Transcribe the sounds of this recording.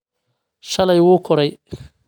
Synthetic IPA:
ʃɐlɛjwuːkʰɔɾɛj

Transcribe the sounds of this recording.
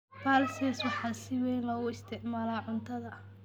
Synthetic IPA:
baːlsɛswɑħɑːsɪwɛjnlɔːɣʊɪst̪ʰɪʕmaːlaːʕʊnt̪ʰɐðɐ

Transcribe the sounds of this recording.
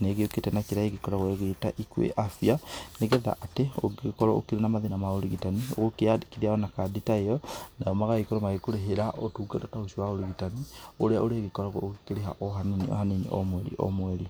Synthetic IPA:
neɣeoketɛnakeɾaeɣekɔɾaɣwɔeɣetaʔikwḛʔafianeɣɛða̰ʔateo̰ekɔɾɔo̰keɾenamaðenamaoɾiɣitanio̰ɣokeadi̥kiðiaɔnakaditaeɔnajɔmaɣaikoɾɔmaekoɾeɦeɾaʔotuːɡɛtɔtaoʃiwaoɾiɣitanioɾeaʔoɾeɣekɔɾɔɣɔ̰oɣkeɾeɦa̰ʔɔɦaninḭʔɔ̰ɦaninḭʔɔ̰mwɛɾḭʔɔ̰mwɛɾi

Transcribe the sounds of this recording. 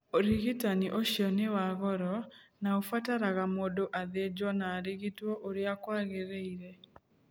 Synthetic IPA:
oɾiɣitaniʔoʃjɔnewaɣɔɾɔnaofataɾaɣamodoʔaðed͡ʒɔnaːɾiɣitwɔʔoɾeakwaɣeɾeiɾɛ

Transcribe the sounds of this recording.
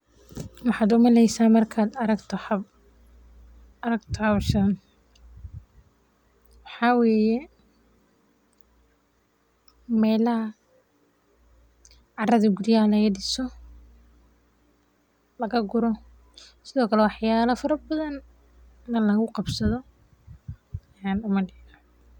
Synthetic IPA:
wɑħɑːd̪ʊmɐlɛjsaːnmɐrkʰaːd̪ɐɾɐɡt̪ʰɔhɐb | ɐɾɐɡt̪ʰɔhɐβʃɐn | wɑħɑːwɛːjɛ | mɛːlɐɐ | ʕɑrɐðɐɡʊɾjaːlɛɣɐɖɪsɔ | lɐɣɐɡʊɾɔ | sɪðɔːkʰɐlɛwɑħjaːlɐfɐɾɐbɐðɐn | nɐlɐɣʊqɑbsɐðɔ | jaːnʊmɐɖɪnɐ

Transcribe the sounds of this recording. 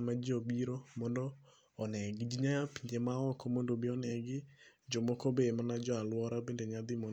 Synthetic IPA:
mad͡ʒobiɾomɔndɔː | nɛɡɪd͡ʒiɲapiɲd͡ʒemaɔkɔmondobɪɔnɛɡɪd͡ʒɔmɔkɔbemanad͡ʒɔalwɔɾabendeɲad̪ɪmɔ

